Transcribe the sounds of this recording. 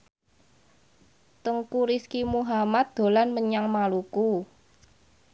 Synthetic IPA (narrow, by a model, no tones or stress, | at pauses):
t̪əŋkuɾiskimuɦamat̪̚d̪̥o̤lanməɲaŋmaluku